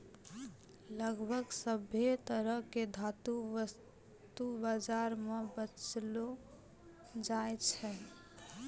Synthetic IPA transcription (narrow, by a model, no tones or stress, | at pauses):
ləɡbʱəɡsəbʱet̪əɾəɦked̪ʱat̪uəs | t̪ubad͡ʒaɾmebət͡ʃlo | d͡ʒajt͡ʃʰɛ